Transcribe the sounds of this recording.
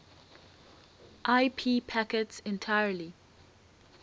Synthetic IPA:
ʔaɪpʰiːpʰakɛtsɛ̃ntʰajəli

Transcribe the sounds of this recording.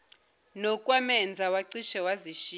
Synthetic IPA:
nɔkʼwamɛnd͡zʱawaǀiʃɛwaziʃi

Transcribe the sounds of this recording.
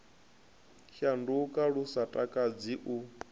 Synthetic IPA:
ʃandukʼaɺusatʼakʼad͡ziʔu

